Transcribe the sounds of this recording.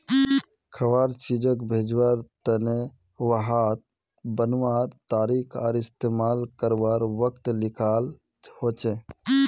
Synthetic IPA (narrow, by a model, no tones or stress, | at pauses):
kʰəʋaɾt͡ʃid͡ʒəkbʱed͡ʒwaɾt̪əne | ʋəɦat̪̚ | bənʋaɾt̪aːɾikʰaɾist̪emalkəɾʋaɾʋəkt̪likʰal | hot͡ʃe